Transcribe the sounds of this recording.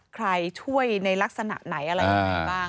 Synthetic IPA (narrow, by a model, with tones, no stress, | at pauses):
kʰɾa˧jt͡ɕʰu˥˩əjna˧jla˦˥k̚sa˧na̰˨˩ʔna˩˦jʔa˧ɾa˧ja˧ŋa˧baː˥˩